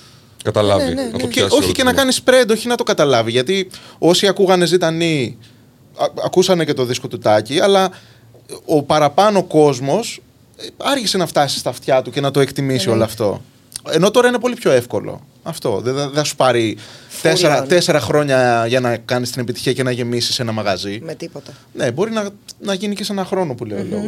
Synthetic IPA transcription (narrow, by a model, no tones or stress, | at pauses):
kɐt̪ɐlɐvḭɐ̰oo̞çice̞nɐkɐnispɾe̞nd̪oçinɐt̪o̞kɐt̪ɐlɐviʝɐt̪io̞siɐkuɣɐne̞zit̪ɐni | ɐkusɐne̞ce̞t̪o̞ðisko̞t̪ut̪ɐciɐlɐ | opɐɾɐpɐnoko̞zmo̞s | ɐɾçise̞nɐft̪ɐsi̥st̪ɐft̪çɐt̪uce̞nɐt̪o̞e̞kt̪imisio̞loɐft̪o̞̰ | e̞no̞t̪o̞ɾɐine̞po̞lipço̞e̞fko̞lo̰ | ɐft̪o̞ðeθɐsu̥pɐɾit̪eseɾɐt̪e̞se̞ɾɐxɾo̞ɲɐʝɐnɐkɐnist̪ine̞pit̪i̥çiɐce̞nɐʝe̞misi̥se̞nɐmɐɣɐzimet̪ipot̪ɐ | ne̞bo̞ɾinɐnɐʝinicesenɐxɾo̞no̞puleole